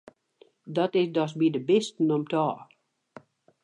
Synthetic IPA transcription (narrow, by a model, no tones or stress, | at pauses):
dɔtɪsdɔs̬bidəbɪstnɔmtʰɔː